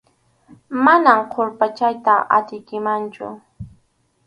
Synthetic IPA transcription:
manamqʰoɾpat͡ʃajt̪aʔa̰t̪ɪjkɪmant͡ʃʊ̰

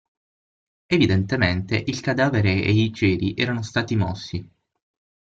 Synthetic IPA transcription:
evid̪ent̪ement̪eʔilkad̪aːveɾeeit͡ʃeːɾiʔɛːɾanost̪aːt̪imɔ̰sːi

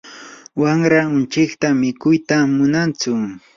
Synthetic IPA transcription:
waŋɾaʊnt͡ʃɪkt̪amɪkʊjt̪amʊnant͡sʊ

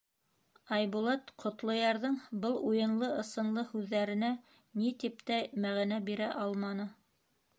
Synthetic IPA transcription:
ɑjbulˠɑt̪qʰŏt̪lˠŏjɑɾðɤɴbɤlˠujɤ̆nlˠɤɤ̆sɤ̆nlˠɤhʉðːæɾɘ̆næ | nit̪ip̚t̪æmæʁinæbiɾæʔɑlˠmɑnɤ

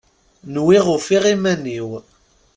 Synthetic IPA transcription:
nwiʁʊfiʁimæniw

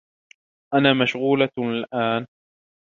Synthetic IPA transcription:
ʔanaːmaʃɣuːlalʔaːn

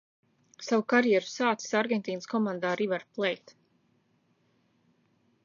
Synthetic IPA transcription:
savukaɾjɛɾu̥saːt̪si̥saɾɡɛnt̪ʲiːnskɔmãnd̪aːɾivaɾplˠɛjt̪

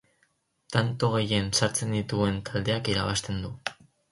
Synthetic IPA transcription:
t̪ant̪o̞ɣ̞e̞je̞nsaɾt͡se̞nd̪it̪ue̞nt̪ald̪e̞akiɾaβast̪e̞nd̪u

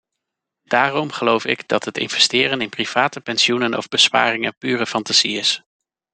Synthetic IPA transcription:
d̥aːrɔmχəlowfɪɡdɑtɦətɪ̰nvɛstɪːrənɪnpriv̥aːtəpɛnsiunənɔ̰vbəspa̰ːrɪŋənpyːrəfɑntaz̥iɪs

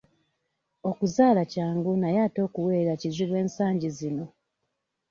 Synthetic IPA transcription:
o̞kuzaːlacaːŋɡunajaːto̞ːkuwe̞ːɾacizilwe̞ːnsaːɲɟizino̞

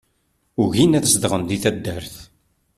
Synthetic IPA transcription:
ʊʝinæθəsd̪ʁənd̪iθæd̪ːəɾθ

